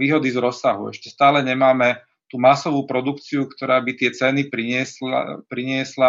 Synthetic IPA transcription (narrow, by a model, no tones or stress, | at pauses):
iːɦɔd̪izɾɔsːaɦṵɛ̰ʃcɛst̪aːlɛɲɛmaːmɛ | t̪uːmasɔʋuːpɾɔd̪ukt͡siukt̪ɔɾaːbit̪ɪɛt͡sɛnipɾi | pɾiɲɪɛsla